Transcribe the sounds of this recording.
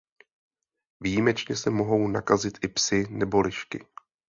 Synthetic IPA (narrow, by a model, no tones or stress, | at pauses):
vijimɛt͡ʃɲɛsɛmo̞ɦo̞wnakazɪt̪ʔɪpsɪnɛbo̞lɪʃkɪ̰